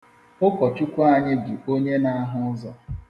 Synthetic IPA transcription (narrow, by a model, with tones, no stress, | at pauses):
ʊ˦kɔ˨t͡ʃu˦kʷa˦˨ɲɪ˦ɡɪ˨o˦ɲe˦na˦a˦ɦʊ˦zɔ˨